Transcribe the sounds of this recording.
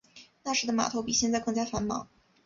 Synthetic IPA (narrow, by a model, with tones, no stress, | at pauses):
na˥˩ʂɻ̩˧˥d̪ə˧ma̰˨˩t̪ʰo˧˥ʊpi˨˩ɕjɛ˥˧nt͡sa˥˧ɪkɤ˥˧ŋt͡ɕja˥fa˧˥nmɑ̰˨˩˦ŋ